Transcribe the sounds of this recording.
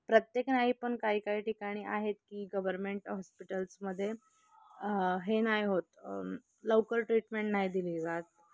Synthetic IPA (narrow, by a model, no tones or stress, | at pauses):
pɾət̪jeknaɦipəɳkaɦiːkaɦiːʈikaɽ̃iːʔaɦet̪kiːɡəʋəɾmeɳʈɦɔspiʈəlsməd̪ʱːje | ɦenajɦot̪ | lowkəlʈɾiʈmeɳʈnaɦid̪iliːd͡zat̪̚